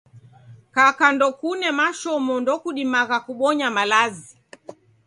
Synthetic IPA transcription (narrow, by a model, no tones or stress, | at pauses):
kakandɔkunɛmaʃɔmɔndɔkuɗimaɣakuɓɔɲamalazi